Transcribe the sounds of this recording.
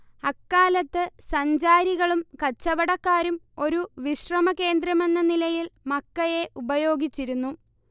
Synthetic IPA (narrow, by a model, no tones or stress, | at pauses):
ɐkːaːlɐt̪ːɨsɐɲd͡ʑaːɾiɣɐɭumkɐt͡ɕːɐʋɐɽɐkːaːɾum | o̞ɾuʋiɕrɐmɐke̞ːnd̪ɾɐme̞nːɐnilɐjilmɐkːɐje̞ʔubɐjo̞ːɡit͡ɕːiɾunːu